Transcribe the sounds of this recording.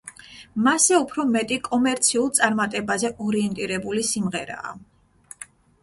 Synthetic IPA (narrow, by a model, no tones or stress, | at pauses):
masɛupʰɾɔmɛt̪ʼikʼɔmɛɾt̪sʰiulˠt̪sʼaɾmat̪ʼɛbazɛʔɔɾiɛnt̪ʼiɾɛbulisimʁɛɾa̰ː